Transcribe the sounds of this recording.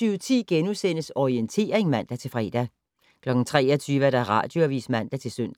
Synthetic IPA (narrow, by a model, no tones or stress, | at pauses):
yːʊt͡sʰḭːɡ̥enusen̰əsɒient͡sʰe̝̰ːɐʁeŋmæn̰d̥æt͡sʰe̝lfʁɛ̰ːd̥æ | kʰlɒ̽ɡ̥n̩t͡sʰʁɛ̰ːɒt͡sʰyːʋɐd̥æʁɑ̰̈d̥jo̝æʋḭːsmæn̰d̥æt͡sʰe̝lsøn̰d̥